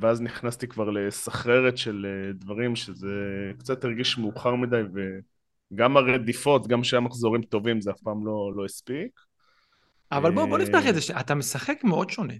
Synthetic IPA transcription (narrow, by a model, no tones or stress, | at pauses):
veazniχnast̪ikvaʁle̞saχʁe̞ʁet̪ʃe̞led̪vaʁimʃezekt͡sat̪iʁɡiʃmeuχaʁmid̪ajve | ɡamaʁed̪ifo̞t̪ɡamʃeamaχzo̞ʁimt̪o̞vimzeafpaːmlo̞lo̞jispik | avalbooniftaχezeʃeʔat̪amesaχekmeo̞d̪ʃo̞ne